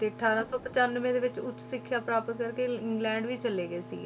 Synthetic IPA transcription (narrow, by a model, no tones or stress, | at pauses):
t̪eːəʈʰaːɾãːsɔːpət͡ʃaːnːəʋẽːd̪eːʋɪt͡ʃʊt͡ʃːsɪkʰːjaːpɾaːpət̪̚kəɾkeːɪ̃ŋɡlɛ̃ːɳɖʋiːt͡ʃəleːɡəeːsḭː